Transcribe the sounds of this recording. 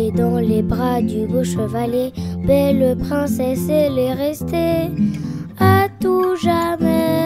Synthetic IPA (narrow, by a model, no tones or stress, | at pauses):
d̪ɑ̃lebʁad̪yboʃəvalebɛləpχɛ̃sɛselɛʁɛst̪e | at̪uʒamɛ